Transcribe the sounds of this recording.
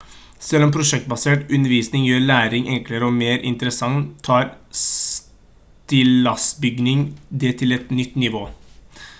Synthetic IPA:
sɛlːɔmpʰɾʊʂɛk̚t̪̚bɑseːʈʉnəɾʋiːsnɪŋjøːɾɭæːɾɪŋʔɛŋkləɾəɔmeːɾʔɪ̰nt̪əɾəsɑŋt̪ʰːɑːɾs | t̪ɪlɑsbʏɡnɪŋd̪ɛt̪ʰɪlɛt̪nʏt̪ːnɪʋoː

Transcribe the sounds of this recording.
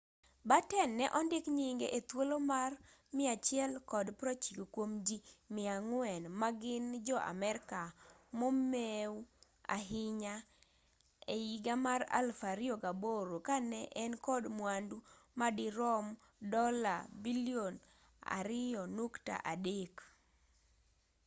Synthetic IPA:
batɛnːɛʔɔndɪkɲiŋɡeʔet̪wolomarmɪat͡ʃjɛlkɔdpɾot͡ʃikokwomd͡ʒimɪaŋwɛnmaɡɪnd͡ʒɔʔa̰mɛɾkamomeu | a̰ɦɪɲa | eiɡamaɾa̰lfaɾɪoɡaboɾokanɛʔɛnkɔdmwandu | madɪɾɔm | dɔla̰bilion | a̰ɾɪɔnukta̰ʔadek

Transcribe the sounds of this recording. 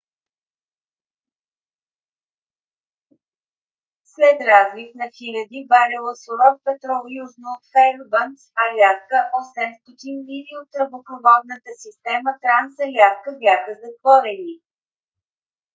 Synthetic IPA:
slɛt̪ɾazvifnɐxilʲɐd̪ibaɾɛlˠəsoɾɔt̪̚pɛt̪ɾɔlˠjuznoːt̪xɛɾbənt̪sɐlʲat̪kəʔɔsɛmst̪ot̪inviniot̪ːɾəbopɾovɔd̪nət̪əsist̪ɛmət̪ɾansəlʲaskəbʲaxəzɐt̪vɔɾɛni

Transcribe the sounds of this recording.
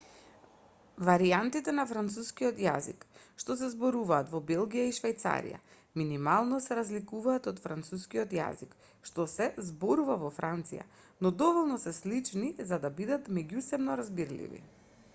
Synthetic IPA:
vaɾiant̪it̪ɛnafɾant̪suskiɔt̪ja̰zḭk | ʃt̪ɔs̬ɛzbɔɾuvaːt̪vɔbɛlˠɡijaiʃvɛjt̪sa̰ɾḭja̰ | minimalˠnɔsɛɾazlikuvaːt̪ɔt̪fɾant̪suskiɔt̪ja̰zik | ʃt̪ɔsɛzbɔɾuvavɔfɾant̪sija̰ | nɔd̪ɔvɔlˠnɔsɛslit͡ʃnizad̪abid̪at̪mɛɟusɛbnɔɾazbiɾlḭvḭ

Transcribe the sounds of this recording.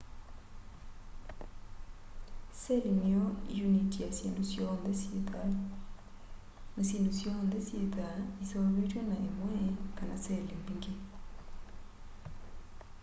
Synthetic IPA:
sɛlinijɔijunitijasenusjɔndɛseta | nasendusjɔnd̪ɛsjet̪aisɔβetwɛnaʔemwɛkana̰sɛlimbiŋɡe

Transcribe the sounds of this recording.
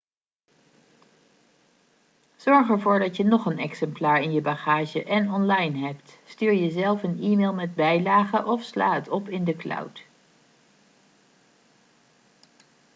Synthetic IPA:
z̥ɔɹχɛɹvʊːɹdɑtjənɔχənɛksɛmplaːɹɪnjəbaχaːʒəʔɛnɔnlɑjnɦɛptstyːɹjəzɛlˠfəniːmeːlˠmɛd̚bɛjlaːχəʔɔfsla̰ːətɔpɪndəklɑ̰wt

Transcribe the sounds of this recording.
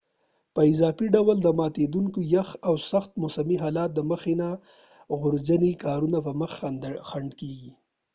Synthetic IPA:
pəɪzɑfiɖawəld̪əmɑt̪ed̪uŋkojaxawsaxt̪mʊsamiɦɑlɑt̪̚d̪əməxena | ɣʊɾzanikɑɾunapəməxad̪xaɳɖkeɡi

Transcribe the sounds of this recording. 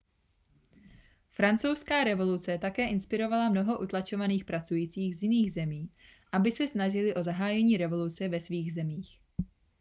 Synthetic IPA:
fɾant͡sowskaːɾɛvo̞lut͡sɛt̪akɛːʔɪnspɪɾo̞valamno̞ɦo̞ʔut̪lat͡ʃo̞vaniːxpɾat͡sujiːt͡siːɣzjɪniːɣzɛmiːʔabɪsɛsnaʒɪlɪʔo̞zaɦaːjɛɲiːɾɛvo̞lut͡sɛvɛsviːɣzɛmiːx

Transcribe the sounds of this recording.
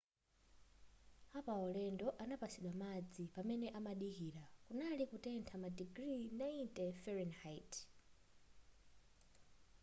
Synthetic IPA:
apaɔlɛndɔʔanapasiɗwamad͡zipamɛnɛʔamaɗikiːɾakunalikutɛntʰamadiɡɾinaitɛfɔɾɛnhajt

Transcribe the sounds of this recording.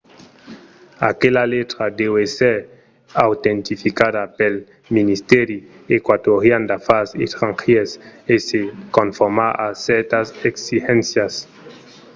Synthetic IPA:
a̰kelalet̪ɾad̪eweseɾ | awt̪ent̪ifikaðapel | minist̪eɾi | ekwat̪oɾjand̪afasḛt̪ɾãŋxiesesekonfoɾmaaseɾt̪aseksixẽnsjas

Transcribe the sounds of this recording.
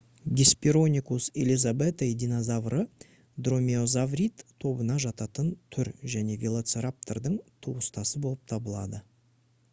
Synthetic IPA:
ɡʲespʲiɾo̞nʲikuselizabet̪ajd̪inozavrʔə | d̪ro̞mʲeo̞zavrʲit̪ʰːo̞bənɑʒɑt̪ɑt̪ənt̪ʰʏɾʒæne̞vʲelˠat̪seɾap̚t̪ord̪əɴt̪ʰuwəst̪ɑsəbo̞lˠəp̚t̪ʰɑbəlˠɑ̰d̪ə

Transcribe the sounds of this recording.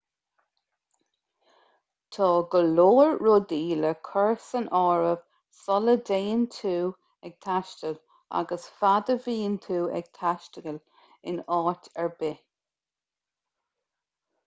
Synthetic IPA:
t̪ʰɑːɡəloːɹɹod̪iːləkʰəɹsənʔɔːɹəv̥ | sɔləd̪eːənt̪ʰuː | ɛɡ̥̚t̪ʰaʃtəl | a̰ɡəsfad̪əviːənt̪ʰuːʔɛ̰ɡ̥̚t̪ʰaʃtəɡəl | ɪnɑːtʰɛɹbɪ

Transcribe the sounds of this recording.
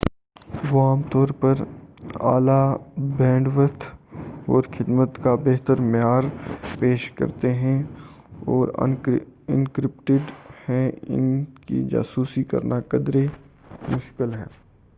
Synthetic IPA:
ʋoaːmt̪ɔːɾpɐɾa̰ːlabɛ̃ːɳɖʋət̪ʰɔːɾxʰɪd̪mət̪kabeɦt̪əɾmɪjaːɾpeːʃkɐ̰ɾt̪eɦɛ̃ | ɔːɾ̰ɪ̰nkɾɪpʈɪɖhɛ̃ɪ̰nkḭd͡ʒa̰ːsuːsikɐ̰ɾnakɐd̪ɾe | mʊʃkɪlɦɛː

